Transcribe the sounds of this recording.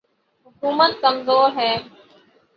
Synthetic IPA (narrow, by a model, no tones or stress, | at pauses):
ɦʊkuːmət̪̚kəmzoːɾɦɛː